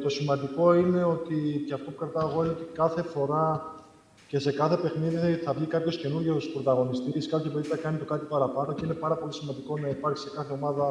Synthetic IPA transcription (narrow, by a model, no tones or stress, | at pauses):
t̪o̞simɐnd̪iko̞ine̞o̞t̪iceɐft̪o̞pukɾɐt̪ɐeɣo̞ineo̞t̪ikɐθe̞fo̞ɾɐ | ce̞se̞kɐθe̞pe̞xniðiiθɐvʝikɐpço̞sce̞nuɾʝo̞spɾo̞t̪ɐɣo̞nist̪iɾiskɐpçɐpeðit̪ɐkɐnit̪okɐt̪ipɐɾɐpɐno̞cine̞pɐɾɐpo̞lisimɐnd̪iko̞nɐipɐɾçi̥sekɐθe̞o̞mɐðɐ